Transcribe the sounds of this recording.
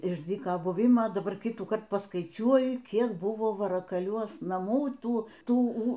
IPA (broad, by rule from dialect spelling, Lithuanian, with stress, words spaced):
ɪʃ ˈdʲiːkɐ ˈbʊʋʲɪmɐ dɐˈbɐr ˈkʲɪtuːkɐrt pɐsˈkɐɪt͡ʃʲuɔjɪ ˈkʲiɛk ˈbʊʋoː ʋɐrɐkɐˈlʲuɔs nɐˈmuː ˈtuː ˈtuː uː